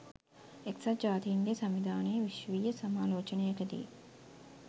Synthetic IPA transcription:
eksɐd͡ʒaːt̪ijːŋɡesɐmʋid̪ʱaːneːʋiʃʋiːjɐsɐmaːloːt͡ʃɐnejɐkɐd̪ḭḛ

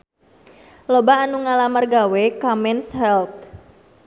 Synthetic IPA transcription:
lobaːnuŋalamərɡawekamɛnshɛlt̪̚

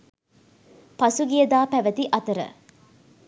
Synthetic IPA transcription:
pɐsuɡijəd̪aːpæʋət̪iʔɐt̪əɾə̰

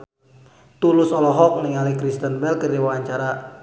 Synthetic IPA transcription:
t̪ulʊsɔlɔɦɔk̚niŋalikɾist̪ənbɛlkərdiwawaɲt͡ʃaɾa

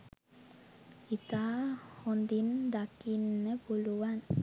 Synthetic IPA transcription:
it̪aːhond̪ind̪akinːəpuluʋan

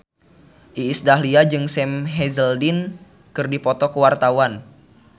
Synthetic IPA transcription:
ʔiːsdaɦliad͡ʒɨŋsɛmɦɛzəldin | kɨrdipɔt̪ɔkəwart̪awan

